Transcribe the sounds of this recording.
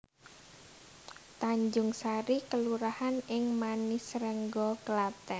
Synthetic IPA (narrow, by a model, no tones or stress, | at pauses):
t̪aɲd͡ʒʊŋsaɾikəluɾahanɪŋmanisɾɛŋɡɔkəlat̪ɛ